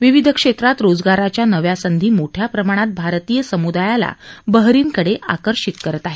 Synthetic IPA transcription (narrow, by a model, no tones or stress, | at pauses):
ʋiʋid̪ʱəkʂet̪ɾat̪ɾod͡zɡaɾat͡ɕjanəʋjasənd̪ʱiːmoʈʰjapɾəmaɽ̃at̪̚bʱaɾt̪ijəsəmud̪ajala̰bəɦɾiːŋkəɽeʔa̰kəɾʂit̪kəɾət̪aɦe